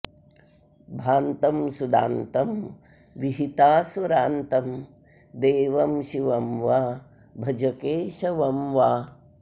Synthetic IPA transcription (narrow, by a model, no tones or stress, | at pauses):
bʱaːnt̪ɐmsud̪a̰ːnt̪ɐm | ʋiɦit̪aːsɐɾaːnt̪ɐm | d̪eːʋɐmʃiʋɐmʋaː | bʱɐd͡ʒɐkeːʃɐʋɐmʋaː